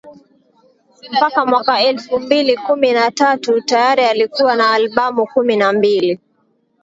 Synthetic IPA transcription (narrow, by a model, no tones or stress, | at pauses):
m̩pakamwakaɛlfumbilikuminatatutajaɾialikuwanaːlɓamukuminambili